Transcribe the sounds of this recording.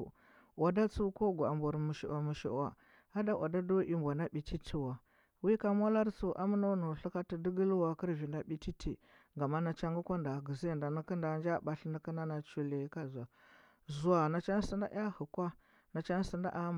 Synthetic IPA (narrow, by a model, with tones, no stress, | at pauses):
wa˨da˦t͡su˦ko˦ɡʷa˨mbu˨ɾmu˨ʃḭ˨a˨mu˨ʃḭ˨ʔa̰˨ | a˦da˦wʔa̰˨da˦do˦ʔi˦mbʷa˨na˦ɓi˨ti˦tʰi˦wa˨ | wi˦ka˦mʷa˦la˦ɾt͡su˨ʔa˦m˦no˦nu˨ɬu˦ka˦ti˨di˦ɡə˦lwa˨kə˦ɾvi˨nda˦ɓi˨ti˦tʰḭ˨ | ɡa˨ma˦na˨t͡ʃa˦ŋɡu˦kʷa˦nda˨ɡə˨ze˦˨nda˨ni˦ki˦nda˨nd͡ʒa˦ɓa˨ɬni˦ki˦na˦na˨t͡ʃu˨le˨˦ka˦zu˨a˨ | zu˨a˨na˨t͡ʃa˦n˦si˦nda̰˦ʔa˦hu˨kʷa˦ | na˨t͡ʃa˦n˦si˨nda̰˦ʔa˦